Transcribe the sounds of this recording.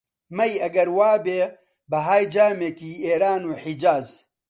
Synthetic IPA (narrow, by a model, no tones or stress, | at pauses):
mɐjɐɡɐɾwaːbeː | bɐɦaːjd͡ʒaːmeːkiːeːɾaːnuːħid͡ʒaːz